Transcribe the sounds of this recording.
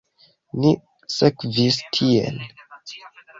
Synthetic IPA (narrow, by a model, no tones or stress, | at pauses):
ni | sekvistʰiḛl